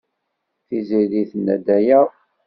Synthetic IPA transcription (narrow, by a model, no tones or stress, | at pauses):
θiziðiθənːæ̰d̪æjæ